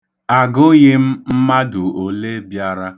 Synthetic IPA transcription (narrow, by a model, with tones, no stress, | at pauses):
a˨ɡʊ˦ɲɪ˦m̩˦m̩˦ma˦dʊ˨o˨le˦bja˦ɾa˦